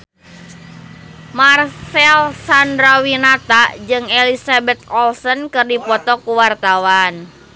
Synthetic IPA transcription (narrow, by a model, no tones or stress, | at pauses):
marsɛlsandɾawinat̪ad͡ʒɨŋelisabɛt̪̚ɔlsənkɨrdipɔt̪ɔkuwart̪awan